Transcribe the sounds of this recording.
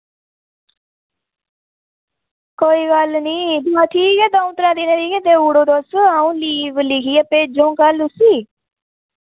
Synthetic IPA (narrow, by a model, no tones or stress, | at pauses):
koːiːɡəlniːbaːt̪ʰiːkɛːd̪aːũːt̪əɾãːd̪iːneːɾiːkɛːt̪eːuːɽoːd̪oːsaũːliːʋlikiːəpeːd͡ʒõːkəlʊsiː